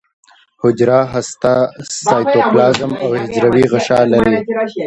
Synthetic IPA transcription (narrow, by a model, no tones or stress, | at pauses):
hʊd͡ʒɾaɦast̪asɑjt̪oklɑːzamawhɪd͡ʒɾawiɣaʃɑːlaɾi